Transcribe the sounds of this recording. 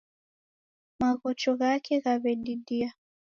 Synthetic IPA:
maɣɔt͡ʃɔɣakʰɛɣaβɛɗiɗia

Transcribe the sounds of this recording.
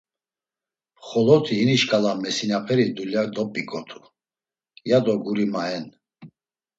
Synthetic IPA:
χɔlɔt̪ʰiɦiniʃkʰʼalamɛsinapʰɛɾid̪uljad̪ɔpʼːikʼɔt̪ʰu̥ | jad̪ɔɡuɾimaɛn

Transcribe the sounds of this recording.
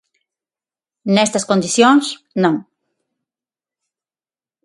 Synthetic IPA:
nɛst̪ɐskõnd̪iθjõŋs | nɐ̃ŋ

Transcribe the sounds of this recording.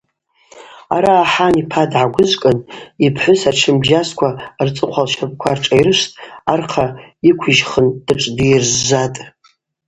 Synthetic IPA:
a̰ɾaːħanipʰadʕaɡʷʊzʷkʼɨnipʰħʷʊsaʈ͡ʂʰɨmbʒaskʷʰart͡sʼɨqʷʰalʃapʼkʷʰarʈ͡ʂʼajɾɨʂtʼarqʰaikʷʰiʒχənd̥ɨʈ͡ʂʼdijrzːatʼ

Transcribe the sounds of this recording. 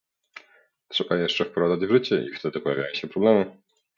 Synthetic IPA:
tʂɛbajɛʂt͡ʂɛfpɾɔzad͡ʑvʐɘt͡ɕɛʔḭft̪ɛd̪ɘpɔjavʲajɔ̃ɕɛpɾɔblɛmɘ

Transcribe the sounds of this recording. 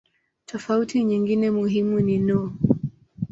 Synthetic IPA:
tʰɔfautiɲiŋɡinɛmuɦimuninɔ

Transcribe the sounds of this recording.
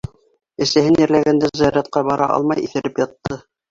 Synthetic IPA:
ɘ̆sæhɘnjɘ̆ɾlæɡænd̪æzɑjɑɾɑt̪̚qɑbɑɾʔɑ̰ʔɑ̰lˠmɑjḭθɘ̆ɾɘpjɑt̪ːɤ

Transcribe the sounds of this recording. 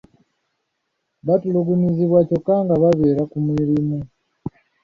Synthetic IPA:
βatuluɡuniziβwaco̞kːaŋɡaβaβeːɾakumwiːɾimu

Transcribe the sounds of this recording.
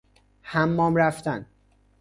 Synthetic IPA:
hæmːɒːmɾæft̪æn

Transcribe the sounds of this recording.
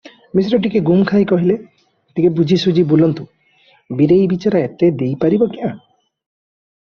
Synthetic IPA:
mis̬ɾɔʈ̬ikeɡumkʰajkɔɦile | ʈikebud͡ʒʱisud͡ʒibulɔnt̪u | biɾejbit͡ʃaɾaet̪ed̪ejpaɾibɔkiã

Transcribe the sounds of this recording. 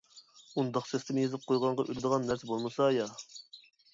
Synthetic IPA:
und̪ɑqsɛst̪ɪmjezɨp̚qʰojʁɑɴʁɑʔøɾɪd̪əʁɑnːæɾsɛbolˠmɨsɑjɑ

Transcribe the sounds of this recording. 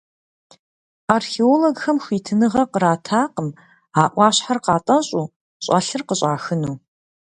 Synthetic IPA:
arxeoloɡxɐmxʷiːtʰɨnɨʁɐqəɾaːtʰaːqəm | aːʔʷɑːɕħarqɑːtʼɐɕʼuː | ɕʼa̰ɬɨrqəɕʼaːxɨnuː

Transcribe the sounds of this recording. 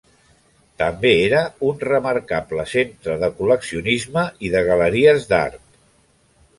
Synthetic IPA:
t̪əmbeeɾəunrəməɾkapləsent̪ɾəðəkuləksiunizməʔiðəɣələɾiəzða̰rt̪̚

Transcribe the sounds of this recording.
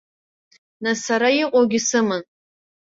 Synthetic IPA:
nasaɾaiqʼowɡʲɪsɨmɨn

